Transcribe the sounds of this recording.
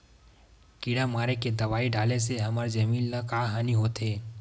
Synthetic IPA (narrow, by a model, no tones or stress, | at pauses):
kiɽamaːɾeked̪ɐʋaːiɖaːleseɦɐmaɾd͡ʒɐmiːllɐkaːɦaːniɦoːt̪ɦeː